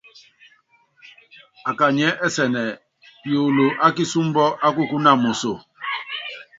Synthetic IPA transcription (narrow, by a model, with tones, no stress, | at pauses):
a˨ka˨ɲɛ˦ʔɛ˦sɛ˨nɛ˨ | jo˨lo˨ʔa˦k̬i˦su˦m˦bɔ˦ʔa˦ku˦ku˦na˦˨mo˨so˦˨